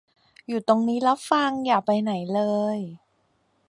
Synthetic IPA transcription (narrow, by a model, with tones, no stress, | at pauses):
juː˨˩t̪o˧ŋniː˦˥la˦˥p̚fa˧ŋjaː˨˩k̚pa˧jna˩˦jlɤː˧j